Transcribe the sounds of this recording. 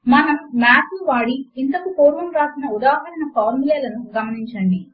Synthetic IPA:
mɐnɐmːaːpuʋaːɽiint̪ɐkupoːɾʋɐmɾaːsinɐud̪aːɦɐɾɐnɐpɐːmileːlɐnuɡɐmɐniɲt͡ʃɐɳɖi

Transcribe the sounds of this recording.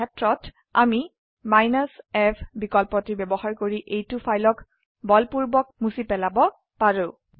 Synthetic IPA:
ɛtɹɔt | a̰mi | majnasɛpʰbikɔlpɔtibɛbɔɦaɹkoɹiʔejtʊfʰajlɔk | bɔlpuɹbɔk̚musipɛlabɔ | paɹʊ

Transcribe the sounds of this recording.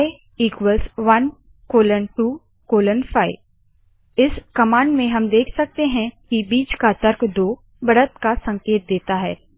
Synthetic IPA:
iːkwəlsʋɐn | koːlənʈuː | koːlənfʰaːɪʋ | ɪskɐmãːɳɖmẽɦɐmd̪eːkʰsɐk̚t̪eɦɛ̃kibiːt͡ʃkat̪əɾkd̪oː | bɐɽət̪kasɐ̃ŋkeːt̪̚d̪eːt̪aɦɛː

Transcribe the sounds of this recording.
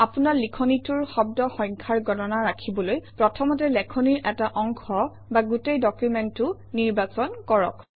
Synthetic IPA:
apunaɹlikʰɔnitʊɹxɔb̚dɔxɔjŋkʰaɹɡɔtɔnaɹakʰibɔlojpɹɔtʰɔmɔtɛlɛkʰɔniɹʔɛtaʔɔŋkʰɔ | baɡutejdɔkjumɛntʊ | niɹbasɔnkɔɹɔ̰k

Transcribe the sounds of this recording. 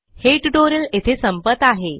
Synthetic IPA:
heʈɖoɾəlet̪ʰesəmpət̪aɦe

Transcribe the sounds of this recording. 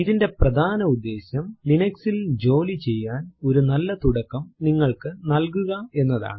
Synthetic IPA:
iðinde̞prɐd̪ʱaːnɐud̪ːe̞ːɕɐmlinɐksild͡ʑo̞ːlit͡ɕe̞jːaːno̞ɾunɐlːɐt̪uɽɐkːɐmniŋːɐɭkɨnɐlk̬uɣɐe̞nːɐða̰ːɳɨ

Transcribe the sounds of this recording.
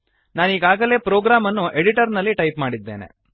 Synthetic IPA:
naːniːɡaːɡɐle̞ːpɾoːɡɾaːmɐnːuʔeɽiʈɐɾnɐlːiʈɐjpmaːɽid̪ːe̞ːne̞̰

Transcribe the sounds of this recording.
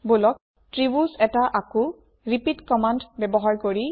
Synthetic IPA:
bolɔk̚ | tɹibusɛtaʔakʊ | ɹipidkɔmandbɛbɔɦaɹkoɹi

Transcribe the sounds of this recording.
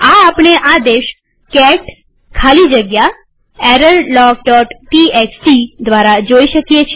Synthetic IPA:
aːpɳ̃eʔad̪eʃ | kɛʈ | kʰalid͡ʒəɡja | ɛɾəllɔɡɖɔʈʈieksʈid̪ʋaɾad͡ʒoiʃəkjet͡ʃʰ

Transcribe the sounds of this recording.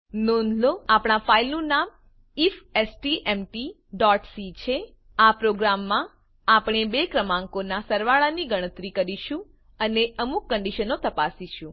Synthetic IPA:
nonʱloapɳ̃afailnũnam | ifɛsʈiʔɛmʈi | ɖɔʈsit͡ʃʰe | apɾoɡɾamːã | apɽ̃ebekɾəmãŋkonasəɾʋaɭaniɡəɽ̃ət̪ɾikəɾiʃũ | əneəmukːə̃ɳɖiʃənot̪əpasiʃũ

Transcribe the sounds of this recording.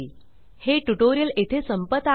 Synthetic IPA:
heʈuʈoɾijəlet̪ʰesəmpət̪ːa

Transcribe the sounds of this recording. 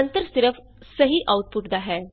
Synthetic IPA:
ənt̪əɾsɪɾəfʰ | sɐɦiʔaːʊʈ̪̚pʊʈd̪aɦɛː

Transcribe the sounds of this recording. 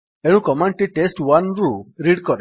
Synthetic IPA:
eɽ̃ũkɔmaɳʈiʈesʈwanɾuɾiɽkɔɾɛ

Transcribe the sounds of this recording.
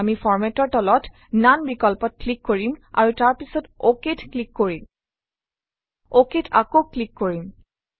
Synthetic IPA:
mifɔɹmɛtɔɹtɔlɔt | nanbikɔlpɔt̚klikːoɹima̰ɹutaɹpisɔtoketklikːoɹim | oketʰakoklikːoɹim

